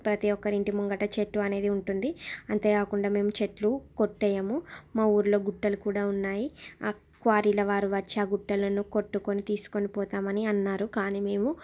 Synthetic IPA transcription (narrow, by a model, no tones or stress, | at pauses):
pɾɐt̪iɔkːɐɾiɳʈimuŋɡɐʈɐt͡ʃeʈluɐne̞ːd̪iuɳʈund̪iɐnt̪e̞ːkaːkuɳɖaːme̞ːmut͡ʃe̞ʈlukoʈːɛːjɐmumaːuːɾlo̞ːɡuʈːɐlukuːɽaːunːaːjiaː | kʋaːɾilɐʋaːɾuʋɐt͡ʃːaːɡuʈːɐlɐnuko̞ʈːukonit̪iːsu̥ko̞nipɔːt̪aːmɐniɐnːaːɾukaːniːme̞ːmu